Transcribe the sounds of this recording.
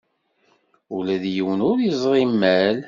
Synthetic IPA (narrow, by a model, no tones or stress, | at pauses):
ʊlæðjiwənʊɾjizˤʁˤimːæl